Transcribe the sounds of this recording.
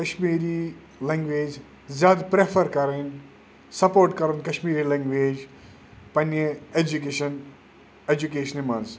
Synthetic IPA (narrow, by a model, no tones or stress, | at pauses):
kɐʃmiːɾi | lẽŋɡʋeːd͡ʒ | zjaːd̪pɾepʰɐɾkɐɾɐn | sɐpoːɾʈkɐɾunkɐʃmiːɾilẽŋɡʋeːd͡ʒ | pɐneed͡ʒuk̬eʃɐn | ed͡ʒuk̬eːʃɐnimɐns